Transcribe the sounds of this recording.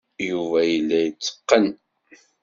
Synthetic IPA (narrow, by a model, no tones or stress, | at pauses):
juvæjəlːæjət͡sːə̥qːən